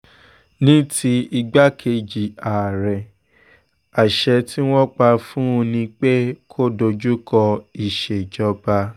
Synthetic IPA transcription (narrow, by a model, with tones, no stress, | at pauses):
nĩ˦tʰi˧i˧ɡ͡ba˦kʰe˧d͡ʒi˨a˨ɾɛ˨ | a˨ʃɛ˧ti˦w̃ɔ̃˦k͡pa˧fũ˦˧nĩ˧k͡pe˦kʰo˦do˧d͡ʒu˦kɔ˧i˨ʃe˨d͡ʒɔ˧ba˧